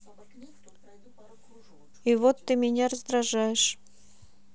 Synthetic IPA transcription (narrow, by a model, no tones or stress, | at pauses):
ivot̪ːɨmʲɪnʲarəzd̪ɾaʐajɪʂ